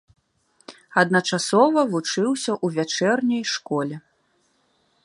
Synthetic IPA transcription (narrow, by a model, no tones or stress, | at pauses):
ɐd̪nɐt͡ʂasɔvɐvut͡ʂɨwsʲɐʔuvʲat͡ʂɛrnʲɐjʂkɔlʲɛ